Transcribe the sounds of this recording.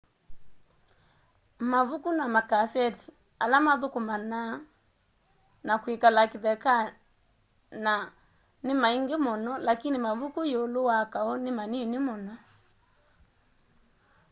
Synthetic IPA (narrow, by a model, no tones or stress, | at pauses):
mavukunamakasɛti̥ | alamaðukumana | nakwikalakiðɛka | na | nimaiŋɡemɔnɔlakinimavukujɔluwakaɔnimaninimɔnɔ